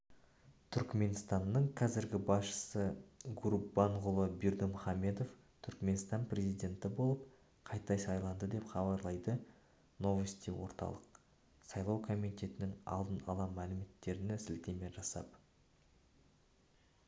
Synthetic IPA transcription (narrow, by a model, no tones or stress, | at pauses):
t̪ʰʏɾkme̞nst̪ɑnːəɴqʰɑzɪɾɡʲɪbɑsʃə̥səɡuɾubɑɴʁʊlˠəbeɾd̪əmʊχɑme̞d̪o̞f | t̪ʰʏɾkme̞nst̪ɑnprʲe̞zijd̪ʲe̞nt̪ɪbo̞lˠəp̚ | qʰɑjt̪ɑjsɑjlˠɑnd̪əd̪e̞pχɑbɑɾlˠɑjd̪ə | no̞vəst̪ijwo̞̰ɾt̪ɑ̰lˠəq̚ | sɑjlˠɑwkʰo̞mit̪e̞t̪ɪnɪŋɑ̰lˠd̪ənɑ̰lˠɑmælɪme̞t̪ːe̞ɾɪnɪsɪlt̪eme̞ʒɑsɑ̰p